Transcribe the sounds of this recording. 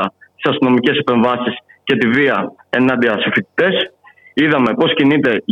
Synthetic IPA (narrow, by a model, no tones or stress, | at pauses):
ɐt̪i̥sɐst̪ino̞mice̞sepe̞ɱvɐsis | cet̪iviɐ | e̞nɐnd̪iɐsifit̪i̥t̪e̞s | iðɐme̞po̞scinit̪e̞ʝ